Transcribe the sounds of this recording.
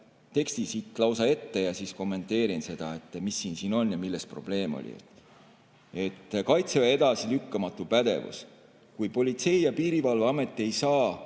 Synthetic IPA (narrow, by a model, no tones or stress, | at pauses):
t̪e̞kst̪isit̪ːˑlɑwsɑe̞t̪ːe̞jɑsisko̞mːe̞nt̪ːˑe̞ːɾinse̞d̪̥ɑ̰e̞t̪ːˑmisːiːnsiːno̞njɑmilːespro̞̰b̥le̞ːmo̰lʲḭḛt̪ːˑ | e̞t̪ˑːkɑjt̪sevɑe̞d̪ɑsilykːɑmɑt̪ːˑupæd̪̥e̞̰vṵs | kujpo̞lʲit̪se̞jjɑpiːɾivɑlveɑme̞t̪ːˑie̞jsɑː